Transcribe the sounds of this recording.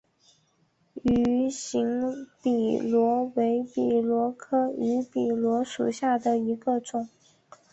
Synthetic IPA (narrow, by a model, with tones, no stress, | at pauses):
y˧˥ɕi˧˥ŋpi˨˩lwɔ˧˥we˧˥ɪpi˨˩lwɔ˧˥kʰɤ˥y˧˥pi˨˩lwɔ˧˥ʂṵ˨˩ɕja˥˩d̪ə˩i˧˥ɡə˧ʈ͡ʂʊ˨˩˦ŋ